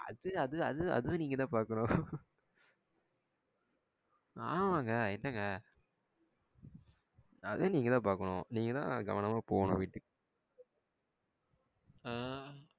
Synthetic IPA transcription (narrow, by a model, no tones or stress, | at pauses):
ɐ̰ðɯɐðɯɐ̰ðɯɐ̰ðɯʋʊ̃niːŋɡɐt̪ãːpaːɾkɐɳʊ̃ | a̰ːʋaːŋɡɐɛnːɐŋɡɐ | ɐ̰ð̃niːŋɡɐt̪ãːpaːɾkɐɳʊ̃ːniːŋɡɐt̪ã̰ːɡɐ̰ʋɐnɐmaːpoːnʊ̰̃ʋɪʈːɯ | aː